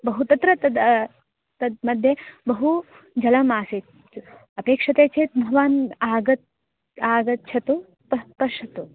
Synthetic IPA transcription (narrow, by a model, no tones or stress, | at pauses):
bɐɦut̪ɐt̪ɾɐt̪ɐd̪ | t̪ɐd̪mɐd̪ʱjɐbɐɦu | d͡ʒɐlɐmaːseːt̪ | ɐpeːkʂɐt̪eːt͡ʃʰeːt̪mɐʋaːnaːɡɐt̪̚ | aːɡɐt̪̚t͡ʃʰɐt̪u | pɐpɐʃɐt̪u